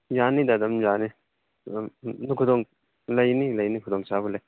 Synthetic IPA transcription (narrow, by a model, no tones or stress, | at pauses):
janidadɐmjani | nukʰudɔŋ | lɐjnilɐjnikʰudɔŋsabɯlaj